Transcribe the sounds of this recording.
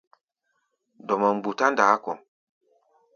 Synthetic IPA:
dɔ˨ma˨m̩˨bu˨ta˦ndaː˨˦kɔ˨

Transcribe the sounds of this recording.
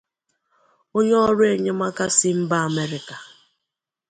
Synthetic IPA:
o˦ɲe˦ɔ˦ɾʊ˦e˨ɲe˦ma˦ka˦sɪ˦m̩˦ba˦a˨me˦ɾɪ˨ka˨

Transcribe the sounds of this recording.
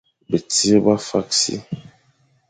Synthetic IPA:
be˨ti˦e˦ba˦fa˦ksḭ˦

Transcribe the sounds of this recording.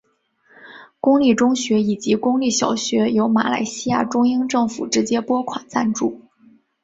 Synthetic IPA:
kʊ˥ŋli˥˩ʈ͡ʂʊ˥ŋɕɥɛ˧˥i˨˩t͡ɕi˧˥kʊ˥ŋli˥˩ɕjɑ˨˩ʊɕɥɛ˧˥jo˧˥ʊma̰˧˥la̰˧˥ɪɕi˥ja̰˥˩ʈ͡ʂʊ˥ŋi˥ŋʈ͡ʂɤ˥˩ŋfṵ˨˩ʈ͡ʂɻ̩˧˥t͡ɕjɛ˥pwɔ˥kʰwa˨˩nt͡sa˥˧nʈ͡ʂu˥˩

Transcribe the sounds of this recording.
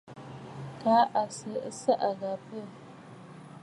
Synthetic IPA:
ka˦ʔa˨sə˨˦sə˦ʔa˨ɡa˨pə˦˨

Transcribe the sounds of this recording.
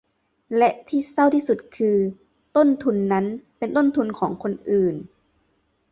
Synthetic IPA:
lɛ˧˥ʔt̪ʰiː˧˥˩sa˥˩wt̪ʰiː˥˩su˨˩t̪̚kʰɯː˧ | t̪o˥˨nt̪ʰu˧nːa˦˥npe˧nt̪o˥˨nt̪ʰu˧nkʰɔː˩˦ŋkʰo˧nʔɯː˨˩n

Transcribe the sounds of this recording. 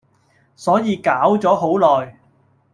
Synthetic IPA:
sɔː˨˥jiː˨˧kaː˨˥wt͡sɔː˨˥ɦo˨˥wlɔː˨˩j

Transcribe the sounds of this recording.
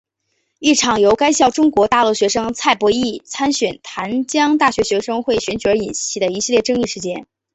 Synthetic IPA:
i˥˩ʈ͡ʂʰɑ˨˩ŋjo˧˥ʊka˥ɪɕjɑ˥˩ʊʈ͡ʂʊ˥ŋkwɔ˧˥t̪a˥˧lu˥˩ɕɥɛ˧˥ʂɤ˥ŋt͡sʰa˥˩ɪpwɔ˧˥i˥˩t͡sʰa˥nɕɥɛ˨˩nt̪ʰa˧˥nt͡ɕjɑ˥ŋt̪a˥˩ɕɥɛ˧˥ɕɥɛ˧˥ʂɤ˥ŋxwe˥˩ɪɕɥɛ˧˥nt͡ɕy˨˩ə˞˧˥i˨˩nɕi˥˩d̪ə˩i˧˥ɕi˥˧ljɛ˥˧˩ʈ͡ʂɤ˥˧ŋi˥˩ʂɻ̩˧˥t͡ɕjɛ˥n

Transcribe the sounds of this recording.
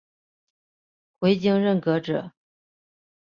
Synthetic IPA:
xwe˧˥ɪt͡ɕi˥ŋɻə˥˩nkɤ˧˥ʈ͡ʂɤ̰˨˩˦

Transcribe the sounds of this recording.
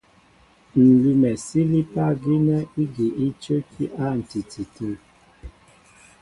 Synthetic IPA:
n̩˨lu˦mɛ˨si˦li˦pa˦ɡi˦nɛ˦i˦ɡi˨ʔi˦t͡ʃə˦kʰi˦ʔa˦˨n̩˨ti˨ti˨tʰə˦˨

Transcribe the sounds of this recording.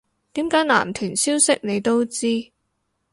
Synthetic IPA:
t̪iː˨˥mkaː˨˥jla̰ː˨˩mt̪ʰyː˨˩nsiː˥wsɪ˥k̚ne˨˧jt̪o˥wt͡siː˥

